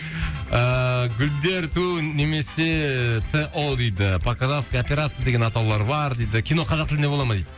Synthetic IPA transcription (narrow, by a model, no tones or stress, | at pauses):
əɡʲʊld̪e̞ɾt̪une̞me̞se̞t̪ʰeʔod̪ejd̪ɪpʰakazat̪skajopʲeɾat̪sɨjad̪e̞ɡʲe̞nɑt̪ɑwlˠɑɾbɑɾd̪ejd̪ɪkʲʰijno̞qʰɑzɑq̚t̪ɪlɪneo̞lˠɑmɑd̪ejd̪ɪɪ